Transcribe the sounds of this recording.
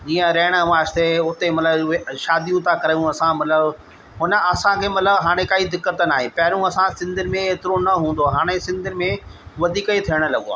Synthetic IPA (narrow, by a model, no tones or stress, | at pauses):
d͡ʑiːə̃ɾɐɦɪɽ̃əʋaːʃt̪ʰeʊt̪emɐt̪ləbʃaːd̪ijũt̪ʰãkɐɾajũɐsãmɐt̪ləb | ɦʊnə̆ɐsãkʰeːmɐt̪ləbɦaːɽ̃ekaːid̪ɪkːət̪naːɦẽpɐɦɪɾũɐsãsɪ̃nd̪ɪmẽeːt̪ɪɾonɐɦũːnd̪oɦaːɽ̃esɪ̃nd̪ʱɪmẽʋɐd̪ʱiːkəit̪ʰijəɽ̃̆lɐɠoa̰ː